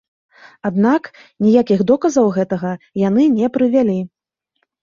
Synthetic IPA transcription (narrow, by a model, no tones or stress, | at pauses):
ad̪nak | nʲijakʲiɣd̪ɔkɐzɐwɣɛt̪ɐɣɐjanɨnʲɛpɾɨvʲalʲi